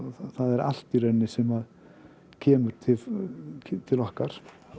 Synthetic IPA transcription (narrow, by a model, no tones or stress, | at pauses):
θaðɛɾa̰l̥t̪irɛnːɪsɛmað | cʰɛːmʏɾ̥t̪ʰɪ | t̪ʰɪlɔhkaɾ̥